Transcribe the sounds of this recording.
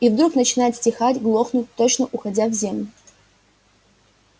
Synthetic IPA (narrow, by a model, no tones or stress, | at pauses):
ivd̪ɾuknət͡ɕɪnajɪt̪sʲtʲɪxatʲɡlˠo̞xnʊt̚ʲt̪ot͡ɕnəʔʊxɐdʲavzʲemlʲʊʊ